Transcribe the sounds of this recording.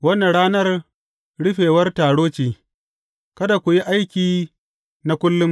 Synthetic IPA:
wɐ˦nːa˨ɽaː˦nɐ˦r | ɽʊ˦ɸeː˨wɐ˦rtaː˨ɽoː˦t͡ʃiː˨ | kɐ˦da˨kʷʊ˨ji˦ʔa˦jkʲiː˨ | na˦kʷʊ˦lːʊ˦m

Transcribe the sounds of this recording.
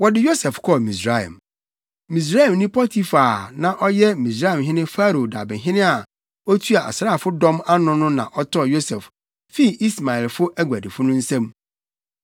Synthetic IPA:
wɔ˨dɪ˦jo˦sɛ˨fkʰɔ˦˨mĩ˨s̬ɾa˦˨ɛ̰˨m | mĩ˨s̬ɾa˦ɛ˨mnĩ˦pʰɔ˦tʰi˦fa˨nã˨ʔɔ˦jɛ˦mĩ˨s̬ɾa˦ɛ˨mɦɪ̃˦nɪ̃˦fa˦ɾo˨da˨bɪ̃˨ɦɪ̃˦nɪ̃˦a˨ | ɔ˦tʰu˦a˨a̰˨sɾaː˦˨fʊ˦dɔ̃˦ma˦nʊ̃˦nʊ̃˦nã˨ʔɔ˦tʰɔ˦˨jo˦sɛ˨f | fi˦˨i˦sma˨ɛ˨lfʊ˦ʔæ˦ɡʷæ˨dɪ˨fʊ˦nʊ̃˦n̩˦sɛ̃˦m

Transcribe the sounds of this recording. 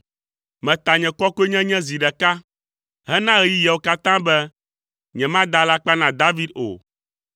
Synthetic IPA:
mɛ̃˨t̪a˨ɲɛ̃˨kɔ˦ku˦e˦ɲɛ̃˦ɲɛ̃˦zi˨ɖɛ˨ka˦ | ɦɛ˦nã˦ɣɛ˦ji˦jɛ˨wo˨˦ka˦t̪ã˦bɛ˦ | ɲɛ̃˨mã˦d̪a˦la˦k͡pa˦nã˨d̪a˦vi˦d̪o̰˨

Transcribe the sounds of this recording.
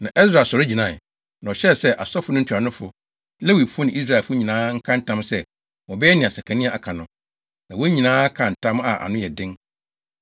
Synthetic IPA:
nã˨ʔɛ˦s̬ɾa˨sɔ˨ɾɪ˦d͡ʑĩ˨nã˦˨ | nã˨ɔ˨ɕɛ˦˨sɛ˦ʔa˨sɔ˦fʊ˨˦nʊ̃˦n̩˦tʰu˨a˨nʊ̃˦fʊ˨ | le˦wi˨fʊ˦nɪ̃˨ʔi˦s̬ɾa˦˨fʊ˦ɲĩ˨nãː˦ŋ̩˦kʰã˦n̩˦tʰã˦msɛ˦ | wɔ˨bɛ˦ɛ˦nĩ˨a˨sa˨kʰa˨nĩ˦a˨ʔa˨kʰa˨nʊ̃˦ | nã˨wɔ˦ɲĩ˨nãː˦kʰã˨n̩˨tʰã˦ma̰˨ʔa̰˨nʊ̃˦jɛ˨dɪ̃˦ŋ

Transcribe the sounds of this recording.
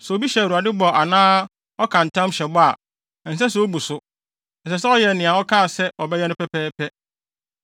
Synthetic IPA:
sɛ˨o˨bi˦ɕɛ˨u˨a˨dɪ˦bɔ˨a˨nãː˦ | ɔ˦kʰã˨n̩˨tʰã˦mɕɛ˨bɔ˦a˨ | n̩˨s̬ɛ˦s̬ɛ˨˦o˦bu˨sʊ˦ | n̩˨s̬ɛ˨sɛ˦ɔ˦jɛ˨nɪ̃˨a˨ɔ˦kʰa˦˨sɛ˦ɔ˨bɛ˦jɛ˦nʊ̃˦pʰɛ˦pʰɛː˦pʰɛ˦

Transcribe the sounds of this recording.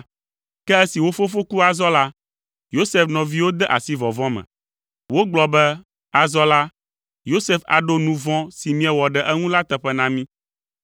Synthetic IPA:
kɛ˦ɛ˦si˨wo˦fo˦fo˦ku˦a˨zɔ˦la˦ | jo˦se˦fnɔ̃˨vi˦wo˦d̪ɛ˦ʔa̰˨si˦vɔ˨vɔ̃˦mɛ̰̃˨ | wo˦ɡ͡blɔ˨bɛ˦ | a˨zɔ˦la˦ | jo˦se˦fa̰˨ɖo˦nũ˨vɔ̃˦si˨mĩ˦ɛ˨wɔ˨ɖɛ˨ʔɛ˦ŋũ˦la˦t̪ɛ˨ɸɛ˦nã˦mĩ˦

